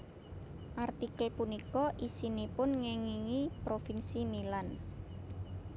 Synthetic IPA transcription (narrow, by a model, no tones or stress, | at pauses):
ʔart̪ikəlpunikɔʔisinipʊnŋɛŋiŋipɾofinsimilan